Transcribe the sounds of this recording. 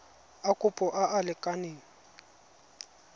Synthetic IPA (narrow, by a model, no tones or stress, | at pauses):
akʼʊpʼɔʔaʔalɪkʼaneːŋ̩